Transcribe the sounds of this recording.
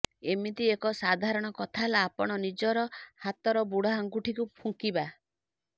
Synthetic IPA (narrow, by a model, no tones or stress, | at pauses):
emit̪iekɔsad̪ʱaɾɔɽ̃ɔkɔt̪ʰalaːpɔɽ̃ɔnid͡ʒɔɾɔhat̪ɔɾɔbuɽɔɦaŋɡuʈʰikupʰuŋkiba